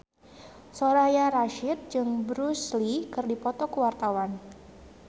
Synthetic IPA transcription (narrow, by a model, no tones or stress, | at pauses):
soɾajaɾaʃɪt̪̚d͡ʒɨŋbɾuslikɨrdipɔt̪ɔkəwart̪awan